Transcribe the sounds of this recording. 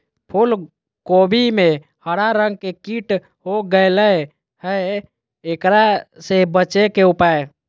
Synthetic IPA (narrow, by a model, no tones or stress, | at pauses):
pʰul | kobʱime | həɽaɾəŋɡ̚kekiʈ | ɦoɡəɪləe | hə | ekɾasebət͡ʃekeupae